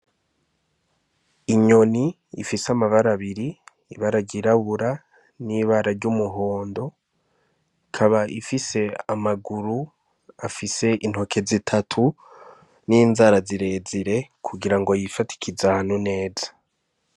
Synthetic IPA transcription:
iɲo̞niː | fisamaβaɾaβiɾiː | βaɾaɾɟiɾaβuɾa | niβaɾaɾɟumuɦo̞ːndo̞ | ikʰaβaʔifise̞amaɡuɾu | afise̞ʔin̥ho̞kʰe̞zitʰatʰu | niːnzaɾaziɾe̞ziɾe̞kʰuɡiɾaŋɡo̞jifati̥kʰizanune̞ːzḁ

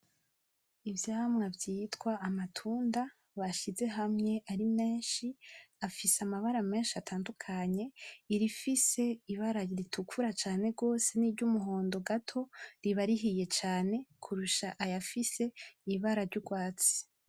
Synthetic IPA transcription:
ivjaːmŋavɟitwaːmatʰuːnda | βaʃize̞ɦamŋe̞ʔaɾime̞ːnʃiafiseamaβaɾame̞ːnʃiatʰaːndukʰaɲe̞iɾifise̞iβaɾaɾitʰukʰuɾat͡ʃaːne̞ɡo̞ːse̞niːɾɟumuɦo̞ːndo̞ɡatʰo̞ɾiβaɾiɦije̞t͡ʃaːne̞kʰuɾuʃaʔajafise̞iβaɾaɾɟuɡwaːt͡si̥

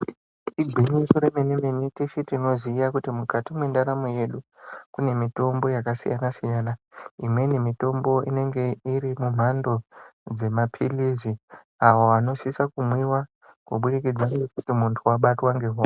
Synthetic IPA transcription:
iɡʱiɲisoɾemenemeneteʃitino̞ziːjakutimukatimwe̞ndaɾamoje̞ɗukune̞mito̞mbo̞jakasḭja̰nasijaːnaimwe̞nemito̞mbo̞ʔḭne̞ŋɡe̞iɾimum̤ando̞d͡ze̞mapʰilizi | awoano̞sisakumwiwa | kwoɓuɾikid͡zwanɡekutimuntʰuwaɓatwaŋɡeɦo

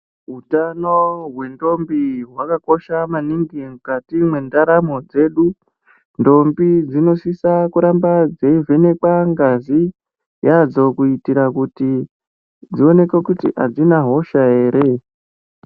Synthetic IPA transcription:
ɦutanoɦwe̞ndo̞mbiɦwakako̞ʃamaniŋɡimukatimwe̞ndaɾamo̞d͡ze̞ɗu | ndo̞mbid͡zino̞sisakuɾambad͡ze̞ivʱe̞ne̞kwaŋɡazi | jad͡zo̞kuitiɾakuti | d͡zio̞ne̞kekutḭʔad͡zinaɦo̞ʃae̞ːɾʔe̞

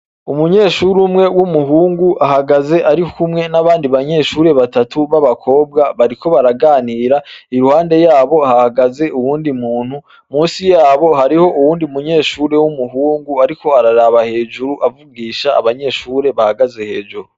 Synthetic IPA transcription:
umuɲe̞ːʃuɾumŋe̞wumuɦuːŋɡuʔahaɡaze̞ʔaɾikʰumŋe̞naβaːndiβaɲe̞ːʃuːɾe̞βatatʰuβaβakʰo̞ːb̚ɡaβaɾiko̞βaɾaɡaːniːɾaiɾuhaːnde̞jaːβo̞hahaɡaze̞uwuːndimuːn̥hu | muːsijaːβo̞haɾiho̞ʔuwuːndiumuɲe̞ːʃuːɾe̞wumuɦuːŋɡuaɾiko̞aɾaɾaβahe̞ːʒuɾuʔavuɡiːʃaːβaɲe̞ːʃuːɾe̞βahaɡaze̞he̞ːd͡ʒuɾu

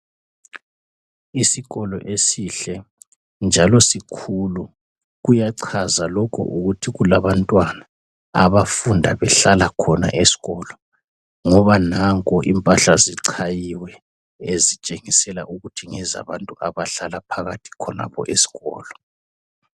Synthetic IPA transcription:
isiɣɔlɔ̰ʔesiɬɛ | nd͡ʒʱalɔsikʰulu | ɣujaǀʰazalɔkʰɔ̰ʔuɣutʰiɣulaβantʼwana | aβafundʱa̰βɛɬalakʰɔna̰ʔesi̥ɣɔlɔ | ŋɔβanaŋkʼɔʔimpʼaɬaziǀʰajiwɛ | ezit͡ʃʼeŋisɛla̰ʔuɣutʰiŋɛza̰βantʼuʔaβaɬalapʰaɣatʰi̥kʰɔna̰pʰɔ̰ʔesi̥ɣɔ̰ːlɔ

